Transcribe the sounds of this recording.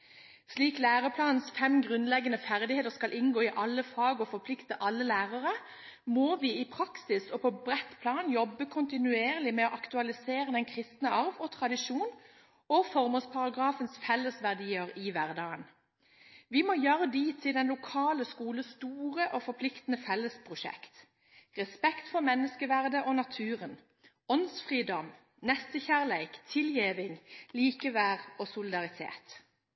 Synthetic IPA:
ʃliːklæːʁəpʰlɑːnnsfɛmɡʁʉnlɛɡənəfæʁd̪ɪheːt̪əʁskɑlʔɪnɡoːɪʔɑlːəfɑːɡɔfɔpʰlɪkt̪əʔɑlːəlæːʁəʁə | moːʋɪːɪpʰɾɑksɪsɔpʰɔbʁɛt̪pʰlɑːnjɔbːəkʰʊnt̪ɪnʉeːʁlɪmɛɔʔɑkt̪ʉɑlɪseːʁəd̪ɛnkʰʁɪst̪nəɑʁʋɔt̪ʰʁɑd̪ɪʃuːn | ɔfɔʁməspʰɑʁɑɡʁɑːfənsfɛlːəsʋæʁd̪iːəʁɪʋæʁd̪ɑːən | ʋiːmoːjøːʁəd̪iːt̪ʰɪld̪ɛnlʊkʰɑːləskuːləst̪uːʁəʔoːfɔpʰlɪkt̪ənəfɛlːəspʰʁʊʃɛ̰kt̪ | ʁɛspɛkt̪fɔʁmɛnːəskəʋæʁd̪əʔɔnɑt̪ʰʉːʁən | ɔnsfʁiːd̪ɔm | nɛst̪əçæʁleɪkt̪ʰɪljeːʋɪŋliːkəʋæːʁɔːsʊlɪd̪ɑʁɪt̪ʰḛːt̪

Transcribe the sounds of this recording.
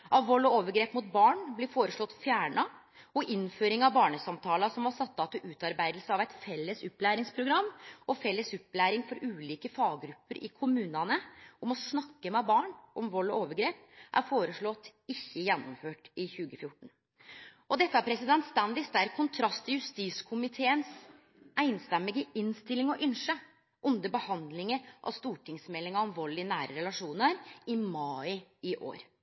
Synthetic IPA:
ʔɑʋʋɔlːɔoːʋəɾɡɾeːpmuːt̪bɑːɳblɪɾfoːɾəʂɭɔt̪ːfjæːɳɑ | ɔʔɪnføːɾɪŋɑʋbɑːɳəsɑmt̪ʰɑːlɑsɔmʋɑsɑt̪ːɑt̪ɪlʔʉːt̪ɑɾbæɪd̪l̩səɑʋæɪt̪fɛlːəsʉpːlæːɾɪŋspʰɾʊɡɾɑmːʔɔfɛlːəsʉpːlæːɾɪŋfɔɾʔʉːliːkəfɑːɡɡɾʉpːəɾʔɪ̰kʰʊmʉːnɑnəɔmɔsnɑkːəmɛbɑːɳʔɔmʋɔlːɔoːʋəɾɡɾeːpʔæ̰ɾfoːɾəʂɭɔt̪ːɪçːəjɛnːʊmføːʈɪçʉːɡəfjʊʈːɳ̩ | ʔɔd̪ɛt̪ːəæɾpʰɾɛsɪd̪ɛnt̪st̪ɑnd̪ɪsd̪æɾkʰʊnt̪ʰɾɑst̪ʰɪjʉst̪iːskʰʊmɪt̪ʰeːəns | æɪnst̪ɛmːɪɡəʔɪnst̪ɪlɪŋɔʔʏnʂə | ʔʊnd̪əbəhɑnd̪lɪŋəɾʔɑ̰st̪uːʈʰɪŋsmɛlːɪŋɑɑnʋoːlɪənæːɾəɾɛlɑʂuːnəɾɪmɑːɪɪʔo̰ːɾ

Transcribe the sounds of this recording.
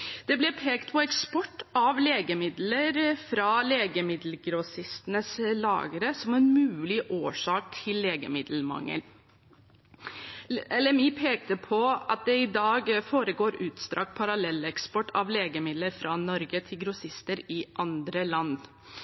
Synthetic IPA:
d̪̥ɛblɛpʰeːkt̪pʰɔɛkspɔʈːɑʋleːɡəmɪd̪ləɾfɾɑleːɡəmɪd̪l̩ɡɾɔsɪst̪ənəslɑ̰ːɡəɾəsɔmɛnmʉːlɪʔoːʂɑːk̚t̪ʰɪlːeːɡə̰mɪd̪l̩mɑ̰ŋːə̰n | ɛlɛmiːpʰeːk̚t̪əpʰɔɑt̪̚d̪ɛɪd̪ɑːɡfoːɾəɡoːɾʉːt̪st̪ɾɑ̰ːkpʰɑɾɑlɛlːəɛkspɔʈːɑʋleːɡəmɪd̪ləɾfɾɑnɔɾɡət̪ʰɪlɡɾʊsɪst̪əɾɪʔɑnd̪ɾəlɑnː

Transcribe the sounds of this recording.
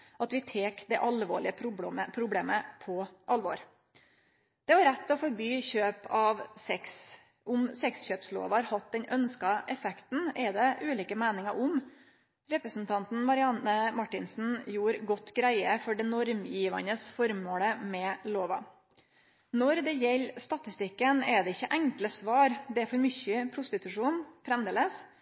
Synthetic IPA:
ʔɑt̪ʋɪt̪ʰeːkd̪ɛʔɑlʋo̰ːɭɪəʊəpʰɾʊbleːməpʰɔʔɑlʋɔ̰ɾ | d̪̥ɛʋɑɾɛt̪ʰːɔfɔɾbyːçøːpɑʋsɛks | ʔʊmsɛksçøːpslo̰ːʋɑɾhɑt̪̚d̪ɛnœnskɑʔɛfɛkt̪n̩ɛɾd̪ɛʔʉːliːkəmæːnɪŋɑʔʊm | ɾɛpɾəsn̩t̪ʰɑnt̪n̩mɑɾɪɑnəmɑʈːɪnsn̩juːɾɡɔt̪ːɡɾæɪəfɔɖɛnɔɾmjiːʋɑ̰nəsfɔɾmoːləmɛloːʋɑ̰ | nɔɾd̪ɛjɛlːst̪ɑt̪ɪst̪ɪkːənɛd̪ɛɪçːəʔæŋkləsʋɑːɾd̪ɛæɾfɔɾmʏçəpʰɾʊst̪ɪt̪ʉʂuːnfɾɛmd̪eːləs

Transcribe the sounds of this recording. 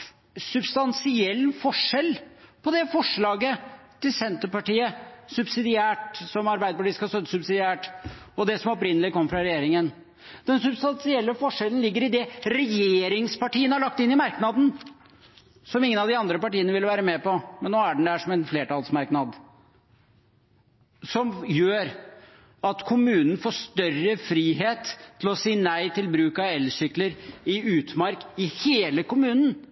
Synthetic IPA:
sʉbst̪ɑnsɪɛlːfɔʂɛlpʰɔd̪ɛfɔʂɭɑːɡət̪ʰɪlsɛnt̪əpɑʈiːəsʉbsɪd̪ɪæːʈsɔmɑɾbæɪd̪əpɑʈiːəskɑst̪œt̪ːə̥sʉbsɪd̪ɪæːʈɔd̪ɛsɔmɔpɾɪnəlɪkʰɔmːəfɾɑɾɛjeːɾɪŋən | d̪̥ɛnsʉbst̪ɑnsɪɛlːəfɔʂɛlən̩lɪɡːəɾɪd̪ɛɾɛjeːɾɪŋspɑʈiːənhæɭɑk̚t̪ɪnːɪmɑɾknɑd̪n̩ | sɔmɪŋənɑʋd̪ɪɑnd̪ɾəpɑʈiːənəʋɪlʋæːɾəmɛpɔmɛnːoːæɖɳ̩d̪æʂɔmɛnfleːʈɑlsmɑɾknɑd̪ | sɔmjøːɾ | ɑt̪kʰʊmʉːnn̩foːʂt̪œrəfɾiːɦeːt̪ʰːɪlɔsiːnæɪt̪ʰɪlbɾʉːkɑɛlːsʏkləɾɪʉːt̪mɑɾkɪheːləkʊmʉːnn̩

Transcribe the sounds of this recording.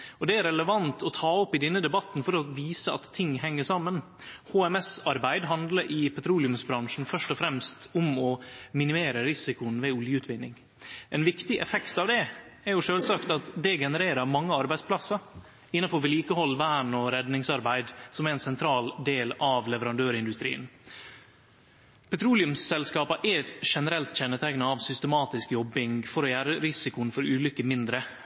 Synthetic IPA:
ɔd̪ɛæɾɛləʋɑnt̪ʰɔt̪ʰɑːɔpːɪd̪ɛnːəd̪ɛbɑt̪n̩fɔɾɔʋiːsəɑt̪ʰːɪŋːɦɛŋːəʂɑmːən | hoːɛmɛsɑɾbæɪd̪ɦɑnd̪ləɾʔɪpʰɛt̪ʰɾuːlɪʉmsbɾɑŋʂn̩fœʂʈɔfɾɛmst̪ʊmɔmɪnɪmeːɾəɾɪsɪkʊənʋɛʊljəʉːt̪ʋɪnːɪ̰ŋ | ʔɛnʋɪkt̪ɪʔɛfɛkt̪ɑʋd̪ɛæɾjʊʂøːlsɑkt̪ɑt̪d̪ɛɡɛnəɾeːɾəɾmɑŋːəɑɾbæɪspʰlɑsːɑ | ɪnːɑfɔɾʋɛliːkəhɔlːʋæːɳɔɾɛd̪nɪŋsɑɾbæɪd̪sɔmæɾɛnsɛnt̪ʰɾɑːld̪eːlɑʋlɛʋəɾɑnd̪øːɾɪnd̪ʉst̪ɾḭːən | pʰɛt̪ʰɾuːlɪʉmsɛlskɑːpəʔɛʂɛnəɾɛlt̪c͡çɛnːət̪ʰæɡnəɑʋsʏst̪əmɑːt̪ɪskjɔbːɪŋɡfɔɾɔjæːɾəɾɪsɪkʊnfɔɾʉːlʏkəmɪnd̪ɾə

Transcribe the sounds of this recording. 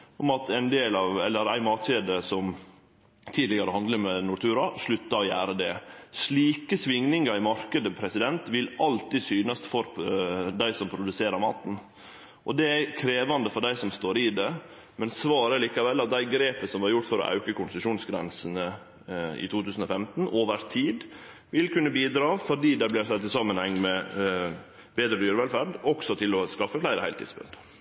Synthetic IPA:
ʔɔmɑt̪ʰæɪnd̪eːlɑːʋɛlːəɾæ̰ɪmɑːt̪ɕeːd̪əsɔm | t̪ʰiːd̪lɪɡɑɾəhɑnd̪ləmɛnʊʈ̪ʰʉːɾɑʂɭʉt̪ːɑɔjæːɾəd̪ɛʂɭiːkəsʋɪŋnɪŋɑɾɪmɑɾkəd̪əpʰɾɛsɪd̪ɛnt̪ʋɪlɑlt̪isyːnɑst̪fɔɾd̪æɪsɔmpʰɾʊd̪ʉseːɾəɾmɑ̰ːt̪n̩ | ʔɔd̪ɛækʰɾeːʋɑnd̪əfɔɖæɪsɔmst̪oːɾɪd̪ɛ | mɛnsʋɑːɾəliːkɑʋɛlːɑt̪̚d̪æɪɡɾeːpəsɔmʋɑɾjʊʈ̪ːfɔɾɔ̰ʔɑ̰ʉkəkʊnsəʂuːnsɡɾɛ̰nsənə | ɪ̰t̪ʰuːt̪ʰʉːsn̩ɔfɛmt̪n̩oːʋəɾt̪ʰiːd̪ | ʋɪlkʉnːəbiːd̪ɾɑːfɔɖiːd̪æblɪɾsɛt̪ːɪsɑmːənhɛŋːmɛ | beːd̪ɾəd̪yːɾəʋɛlfæɾɖɔksɔt̪ʰɪlɔskɑfːəflæɪɾəhæɪlt̪ḭd̪sbʉ̰nd̪

